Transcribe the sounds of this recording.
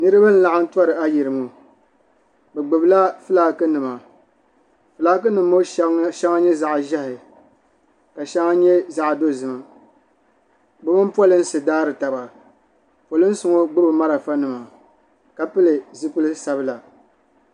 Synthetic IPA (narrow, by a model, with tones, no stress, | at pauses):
nɨ˦ɾɨ˦ba˦n̩˦la˨ʔa˦n̩˦twa˦ɾɨ˨a˦ji˨ɾɨ˨mo˨ | bɛ˨ɡ͡bɨ˨bɨ˦la˦fɨ˦laː˨kɨ˦nɨ˨ma˨ | fɨ˨laː˦k̬ɨ˦nɨ˨mː˦o˦ʃɛ˦ŋa˦ɲɛ˦za˦˨ʔʒɛ˦hɪ˨ | ka˨ʃɛ˦ŋa˦ɲɛ˦za˦ʔdo˦zɨ˨ma˨ | bɛ˦mɨ˦pwɔ˦lɨ˦n̩˦sɨ˨daː˦ɾɨ˨ta˨ba˨ | po˨lɨ˦n̩˦sʊ˨ŋo˦ɡ͡bʊ˦ɾɨ˨ma˦ɾa˨fa˦nɨ˨ma˨ | ka˨pɨ˦lɨ˨zɨ˦pɨ˦lɨ˦sa˨bɨ˦la˨